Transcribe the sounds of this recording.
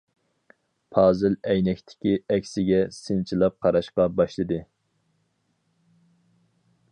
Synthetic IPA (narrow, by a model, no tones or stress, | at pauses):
pʰɑːzɨlˠɛjnɛkʲt̪ʰɪ̥kʲiɛkʲsɪɡʲɛsɨnt͡ʃʰilˠɑp̚qʰɑɾɑʃqɑbɑʃlˠɨd̪ɨ